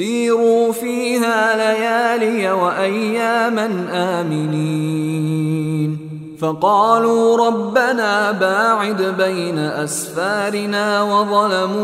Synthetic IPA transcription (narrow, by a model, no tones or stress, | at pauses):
iːɾuːfiːɦaːlajaːlɪjawaʔajːaːmanʔaːmɪni | n | fɑqɑːluːɾˤɑbːanaːbaːʕɪd̪bajnaʔasfaːɾɪnaːwɑðˤɑlamuː